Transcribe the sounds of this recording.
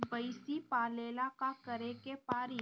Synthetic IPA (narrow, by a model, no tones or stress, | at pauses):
bəɪsipaːleːlakakəɾekepaːɾi